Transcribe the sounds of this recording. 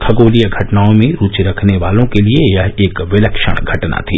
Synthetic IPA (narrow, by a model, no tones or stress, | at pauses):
k̪ʰɐɡoːlijəɡʱɐʈnaːõmẽɾuːt͡ʃiɾɐkʰneʋaːlõkeliejɐɦeːkʋɪləkʃə̰ɽ̃ɡʱɐʈna̰t̪ʰiː